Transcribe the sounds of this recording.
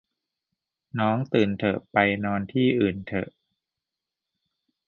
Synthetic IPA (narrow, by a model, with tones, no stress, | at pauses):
nɔː˦˥ŋt̪ɯː˨˩nt̪ʰɤ˨˩ʔpa˧jnɔː˧nt̪ʰiː˥˩ʔɯː˨˩nt̪ʰɤ̰˨˩ʔ